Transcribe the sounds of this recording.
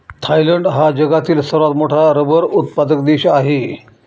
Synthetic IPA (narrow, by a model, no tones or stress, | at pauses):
t̪ʰajləɳɖɦad͡ʑəɡat̪iːlsəɾʋat̪moʈʰaɾəbəɾut̪̚pad̪ək̚d̪eɕaɦe